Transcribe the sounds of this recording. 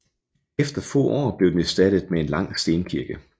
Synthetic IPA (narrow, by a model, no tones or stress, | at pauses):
efd̥ɐfɔ̰ːʔɒ̰ːb̥le̝ʊ̥eæsd̥æɾ̥əð̩ˠmee̝nlɑ̈ŋ̰sd̥e̝ːnkʰiɐɡ̥ə